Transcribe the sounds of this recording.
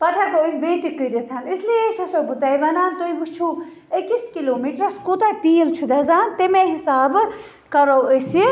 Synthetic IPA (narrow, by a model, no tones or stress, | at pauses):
pɐt̪ʰakoːisbeːt̪ikəd̪it͡s̪ʰɐnisliet͡ʃʰɐsobut̪ɐjʋɐnaːnt̪oimut͡ʃʰu | ekiskiloːmiːʈɾɐskot̪at̪iːlt͡ʃʰud̪ɐzaːnt̪emeɦisaːb | kɐɾowəsi